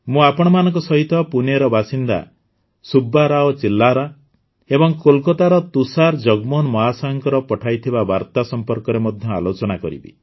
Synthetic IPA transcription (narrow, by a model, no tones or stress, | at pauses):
mũapɔɽ̃ɔmanɔŋkɔsɔɦit̪ʰɔpuneɾɔbasind̪a̰ | subːaɾaɔt͡ʃilːaɾa | ebɔŋkolkɔt̪aɾɔt̪usaɾd͡ʒɔɡmɔnmɔɦasaŋkɔɾɔpɔʈʰajt̪ʰibabaɾt̪asɔmpɔɾkɔɾemɔd̪ʱjɔa̰lot͡ʃɔɽ̃akɔɾḭbḭ